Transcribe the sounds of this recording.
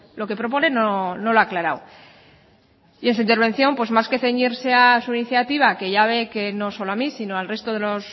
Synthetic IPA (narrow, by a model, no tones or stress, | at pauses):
lo̞ke̞pɾo̞p̬o̞ne̞nono̞loaklaɾaw | iens̬uint̪eɾβ̞e̞nθjo̞mpwe̞zmaske̞θe̞ɲiɾse̞asuiniθjat̪iβake̞ʝaβ̞e̞ke̞no̞so̞loamisino̞alre̞st̪o̞ðe̞lo̞s